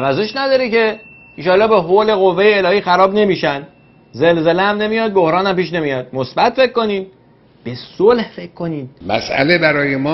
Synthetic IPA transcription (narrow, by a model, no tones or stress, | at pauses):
æɾæze̞ʃnæd̪ɒːɾice̞ | iʃɒːlːɒːbeɦole̞ɣovːe̞jeːlɒːhiːxæɾɒːbne̞miːʃæn | ze̞lzeleæmne̞mijɒːd̪̚bo̞hɾɒːnæmpiːʃ̬ne̞mijɒd̪̥mosbæt̪fe̞kʰko̞niːd̪ | b̥e̞solhfe̞kʰkʰːo̞niːd̪mæ̰sæ̰lebæɾɒːjemɒː